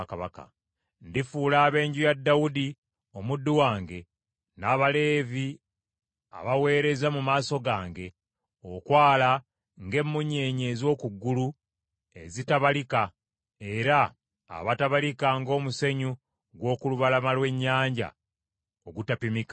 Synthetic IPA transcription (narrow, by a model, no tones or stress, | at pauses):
kaβaka̰ | ndifuːlaːβe̞ːɲɟujadːawudi | o̞mudːuwaːŋɡe̞ | naːβale̞ːvi | a̰βawe̞ːɾe̞zamumaːso̞ɡaːŋɡe̞ | okwaːla | ŋɡe̞mːuɲːe̞ːɲe̞zwo̞ːkuɡːulu | e̞zitaβalika | e̞ɾa̰ː | βataβalikaŋɡo̞ːmuseɲu | ɡwo̞ːkuluβalamalwe̞ɲːaːɲɟa̰ | oɡutapimikḁ